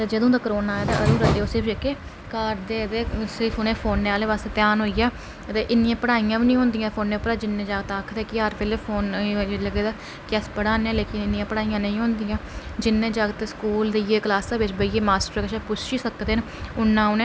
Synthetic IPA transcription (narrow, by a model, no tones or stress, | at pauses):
t̪eːd͡ʒəd̪õːd̪aːkəɾoːnaːɛːd̪a̰ːʔəɾuːɾəeːoːsɪɾpʰd͡ʒeːkeː | kaːɾd̪eːt̪eːsɪɾpʰʊneːpʰoːnːeːaːleːʋaːst̪eːt̪jaːnɦoːijaː | ət̪eːʔɪnːijãːpəɽaːijãːʋiːnĩːɦʊ̃nd̪ijãːpʰoːnːeːpəɾaːd͡ʒɪnːẽːd͡ʒaːɡt̪aːkʰːt̪eːkɪaːɾpeːleːpʰoːnləɡeːd̪aː | kɛːspəɽaːnːãːleːkɪnɪnːijãːpəɽaːijãːnə̃ĩːɦʊ̃nd̪ijãːd͡ʒɪnːẽːd͡ʒaːɡt̪eskuːld̪eijeːklaːsaːʋɪt͡ʃbəiːeːmaːsʈəɾkəʃapʊt͡ʃʰʃiːsəkd̪eːn | ʊnːãːʊnẽː